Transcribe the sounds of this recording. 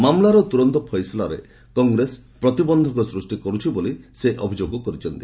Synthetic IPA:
mamlaɾɔt̪uɾɔnt̪ɔpʰɔjslaɾḛ | kɔŋɡɾespɾɔt̪ibɔnd̪ʱɔkɔsɾusʈikɔɾut͡ʃʰiboliseʔɔbʱid͡ʒoɡɔkɔɾit͡ʃʰɔnt̪i̥

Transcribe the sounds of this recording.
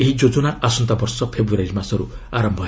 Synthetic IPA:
eɦid͡ʒod͡ʒonaʔasɔnt̪abɔɾsɔpʰebɾuɾajɾmasɔɾṵaɾɔmbʱɔ

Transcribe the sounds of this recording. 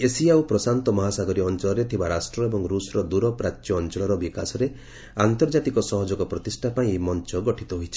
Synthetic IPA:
esiawpɾɔsant̪ɔmɔɦasaɡɔɾiɔnt͡ʃɔɭɔɾet̪ʰibaɾasʈɾɔebɔŋɾusɾɔd̪uɾɔpɾat͡ʃ̪jɔːnt͡ʃɔɭɔɾɔbikasɔɾe | ant̪ɔɾd͡ʒat̪ikɔsɔɦɔd͡ʒɔkɔpɾɔt̪isʈʰapaĩemɔnt͡ʃɔɡɔʈʰit̪ɔɦojt͡ʃʰi̥

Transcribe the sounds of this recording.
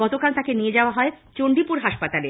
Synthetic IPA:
ɔt̪okalt̪akenijed͡ʑaoaɦɔet͡ɕoɳɖipuɾɦaʃpat̪ale

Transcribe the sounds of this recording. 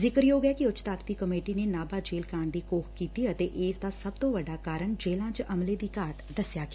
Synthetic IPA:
zɪkəɾjoːɡɛkiʊt͡ʃt̪aːkt̪iːkəmeːʈineːnaːbaːd͡ʒeːlkaːɳd̪iːkoːxʰkiːt̪iət̪eːʔeːsd̪aːsəb̚t̪õːʋəɖaːkaːɾəɳd͡ʒeːlãːt͡ʃʔəmled̪iːkaːʈd̪əsjaːɡː

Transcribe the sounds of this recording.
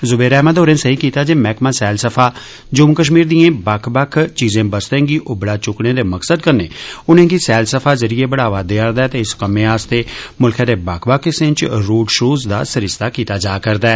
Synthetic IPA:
zʊbeːɾɛːmaːd̪oːɾẽːsəɦiːkiːt̪aːd͡ʒeːmɛːkmãːsɛːlsəpʰaː | d͡ʒʊmkəʃ̬miːɾd̪iːẽːbakʰbaːkʰt͡ʃiːzẽːbəst̪ẽːɡiːʔoːbɪɽaːt͡ʃʊkɽẽːd̪eːməksəd̪̚kəɾnḛːʊnẽːɡiːsɛːlsəpʰaːzəɾijeːbəɽaːʋaːd̪eːaɾd̪aɛːt̪eːɪskəmẽːaːst̪eːmʊlkʰẽd̪eːbakʰbakʰɪsɪ̃nt͡ʃɾoːɖʃoːzd̪a̰ːsɪɾɪst̪aːkiːt̪aːd͡ʒaːkəɾd̪aɛː

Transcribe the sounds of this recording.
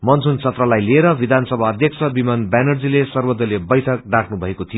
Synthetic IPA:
mʌnt͡sʰunt͡sʰʌt̪rʌlajlieɾʌbid̪ʱansʌbʱaːd̪ʱjʌk̚sʰʌbimanbanʌrd͡zilesʌrbod̪ːʌlebʌjʈʰʌk̚ɖaʈʰnubʱʌekot̪ʰijo

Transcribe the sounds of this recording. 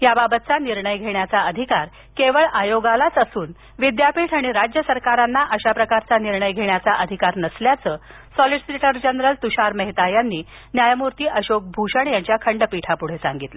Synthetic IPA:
jababət̪̚t͡saniɾɳəjɡʱeɳjat͡saəd̪ʱikaɾ | keʋəɭajoɡalat͡səsuːn | ʋid̪japiːʈʰaɽ̃iɾad͡ʑjəsəɾkaɾanːaʔəɕapɾəkaɾt͡saniɾɳəjɡʱeɳjat͡saʔəd̪ʱikaɾnəsljat͡səː | sɔliɖsiʈəɾd͡ʑənɾəlt̪uɕaɾməɦit̪ajanːiː | njajmuɾt̪iːʔəɕok̚bʱuɕəɳjaɲt͡ɕjakʰəɳɖəpiʈʰapuɽ̤esa̰ŋɡit̪lə

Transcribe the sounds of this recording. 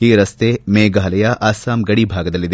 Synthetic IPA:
iːɾɐst̪eːmeːɡaːlɐjɐʔaːsaːmɡɐɽibʱaːɡɐd̪ɐlːid̪e

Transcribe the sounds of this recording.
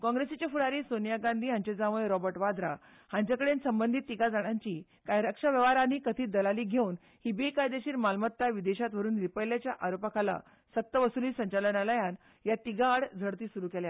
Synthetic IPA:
kɔ̃ŋɡɾesit͡ɕafuɽaɾiːsonijaɡãnd̪ʱiːɦãɲt͡ɕed͡zaʋəjɾɔbəɾʈʋad̪ɾa̰ | hãɲt͡ɕjakəɽensəmbənd̪ʱit̪ːiɡad͡zaɽ̃aɲt͡ɕiː | kajɾakʂaʋjəʋaɾaniːkət̪ʰiːd̪əlaliːɡʱeun | hibekajd̪eɕiːɾmalmət̪ːaʋid̪eɕat̪ʋəɾuːnɾipəjljat͡ɕjaʔaɾopakʰala̰ | sət̪ːəʋəsuliːsəɲt͡ɕalənaləjan | jat̪iɡaɽd͡zʱəɽt̪iːsuɾuːkɛlja

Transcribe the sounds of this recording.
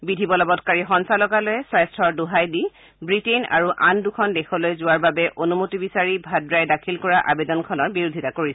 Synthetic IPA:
bidʱibɔlɔbɔtkaɹixɔnsalɔɡalojɛswajstʰɔɹduɦajdi | bɹitena̰ɹuʔandukʰɔndɛxɔlojzʊwaɹbabɛʔonumotibisaɹibʱadɹajdakʰilkɔɹaʔabedɔnkʰɔnɔɹbiɹudʱitakoɹisɛ

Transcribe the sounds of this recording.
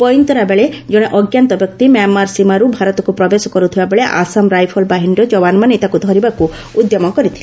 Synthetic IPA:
pɔjnt̪ɔɾabeɭed͡ʒɔɽ̃eʔɔɡjant̪ɔbjɔk̚t̪imjamːaɾsimaɾubʱaɾɔt̪ɔkupɾɔbesɔkɔɾut̪ʰibabeɭeʔa̰samɾajpʰɔlbaɦiɳɖɔd͡ʒɔwanɔmanet̪akud̪ʱɔɾibaku | ud̪jɔmɔkɔɾit̪ʰile

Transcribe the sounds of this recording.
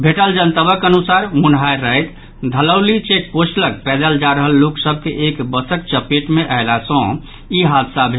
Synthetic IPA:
bʱeʈəld͡ʒənt̪əbəkənusaɾmunɦajɾəjt̪ | d̪ʱələwlit͡ʃekpot͡ʃləkpɛd̪əld͡ʒaɾəɦəlːoksəb̚ʱkeʔekbəsək̚t͡ʃəpeʈmeʔaɪlasɔ̃ | iɦad̪sabʱe

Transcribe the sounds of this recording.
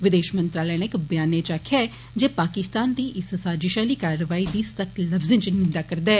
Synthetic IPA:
ʋɪd̪eːʃmənt̪ɾaːlɛːnekbɪjaːneːt͡ʃaːkʰjaː | d͡ʒeːpaːkɪst̪aːnd̪iːʔɪssaːd͡ʒɪʃaːliːkaːɾəʋaːiːd̪iːsəkt̪ləfzɪ̃nt͡ʃnɪnd̪aːkəɾd̪ɛː

